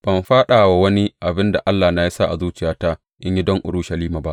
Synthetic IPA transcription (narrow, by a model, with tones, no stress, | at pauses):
b̥ɐ˨mɸaː˦ɗaː˨wa˨wɐ˦ni˦ʔa˨bɪ˦nda̰˨ʔa˦lːaː˨na˦ji˦sa˦ʔa̰˨zuː˦t͡ʃɪ˨jaː˦ta˦ | ʔɪ˦ɲji˦dɔ˦ŋʔʊ̰˨ɽʊː˦ʃɐ˨liː˦maː˨ba˦ʔ